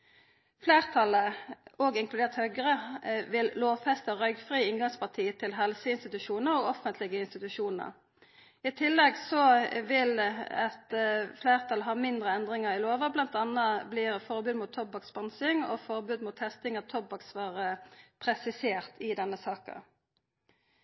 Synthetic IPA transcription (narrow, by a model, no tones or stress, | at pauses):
fleːʁt̪ʰɑləɔːɡɪŋklʉd̪eːʁt̪hœʏɡəʁəʋɪlloːʋfɛst̪əʁœʏɡfʁiːɪŋɡɑŋspʰɑʁt̪ʰiːt̪ʰɪlɦɛlsəɪnst̪ɪt̪ʉʃuːnəɾɔɡɔfənt̪ʰlɪɡəɪnst̪ɪt̪ʉʃuːnə̰ʁ | ɪt̪ʰɪlːɛɡsɔʋɪlɛt̪fleːʁt̪ʰɑlɦɑːmɪnd̪ʁəɛnd̪ʁɪŋəʁɪloːʋəblɑnt̪ɑnɑbliːʁfɔʁbʉːd̪mʊt̪ʰːɔbɑksbɑnsɪŋɔ̰fɔʁbʉːd̪mʊt̪hɛst̪ɪŋɔt̪ʰɔbːɑksʋɑːʁəpʰʁɛsɪseːʁt̪ʰɪd̪ɛnːəsɑːkə̰